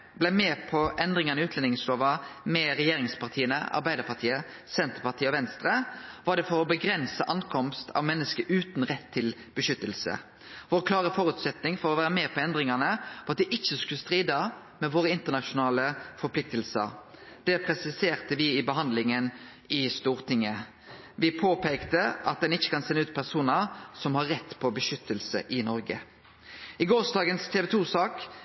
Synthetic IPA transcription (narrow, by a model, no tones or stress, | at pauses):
blæɪmɛːpʰɔʔɛnd̪ʁɪŋɑnəɪʉːt̪lɛnɪŋsloːʋəmɛɾɛjeːɾɪŋspʰɑʁt̪ʰiːənə̰ʔɑ̰ɾbæɪd̪əɾpɑt̪ʰiːə | sɛnt̪əɾpɑʁt̪iːəɔʋɛnst̪ɾəʋɑɖ̪ɛfɔɾɔbəɡɾɛnsəʔɑŋkʰɔmst̪ʰɑ̰ʋmɛnːəskəɾʉːt̪nʁɛt̪ʰːɪl | b̥əʃʏt̪ːəlsə̰ | ʋoːʁkʰlɑːʁəfɔɾʉːt̪sɛt̪nɪŋfɔɾɔʋæːɾəmeːpʰɔɛnd̪ɾɪŋɑnəʁɑt̪d̪ɪʔɪçːəskʉləst̪ʁiːd̪ə | mɛʋoːʁəɪnt̪ənɑʃʊnɑːləfɔɾpʰlɪk̚t̪əlsə̰ɾ | d̪̥ɛpʰʁɛsɪseːʁt̪əʋɪɪbəɦɑnd̪lɪŋən | ɪst̪uːʁt̪ʰɪŋːə | ʋɪpʰoːpʰɛɪkt̪əɑt̪̚d̪ɛnɪçːə̥kɑnsɛnːəʉːt̪̚pʰæʁsuːnəɾsɔmhɑʁːɛt̪ːpʰɔbəʃʏt̪ːəlsə̰ʔɪnɔɾɡə̰ | ʔɪɡoːsd̪ɑːɡənst̪ʰeːʋɛt̪ʰuːsɑːk